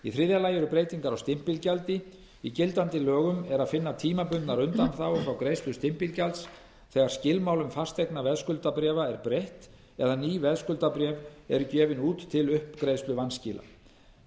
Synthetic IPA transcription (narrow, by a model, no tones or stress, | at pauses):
iθɾɪðjalaːjʏɾʏpɾeːjt̪iŋkaɾawst̪ɪm̥pɪlcalt̪ɪ | icɪlt̪ant̪ɪlœːɣʏmɛɾaðfɪnːat̪ʰiːmapʏnt̪naɾʏnt̪anθawfɾawkɾejst̪lʏst̪ɪm̥pɪlcalt̪s | θɛɣaɾ̥scɪlmawlʏmfḁst̪ɛknavɛðskʏlt̪apɾɛːvaɛɾpɾejht̪ | ɛðaniːvɛðskʏlt̪apɾɛːvɛ̰ɾʏcɛːvɪnuːt̪ʰːɪlʏhpkɾeːjst̪lʏvanscɪːla̰